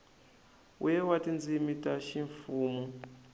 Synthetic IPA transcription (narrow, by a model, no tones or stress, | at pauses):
ujɛwatind͡zimitʼaʃiɱfuːmu